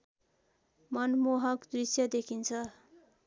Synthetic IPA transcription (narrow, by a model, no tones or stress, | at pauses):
mʌnmoɦʌkd̪risjʌd̪ekʰint͡sʰʌ